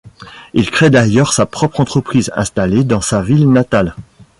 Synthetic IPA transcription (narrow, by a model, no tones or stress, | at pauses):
ilkχed̪ajœʁsapχɔpχɑ̃t̪χəpχizɛ̰̃st̪aled̪ɑ̃savilnat̪al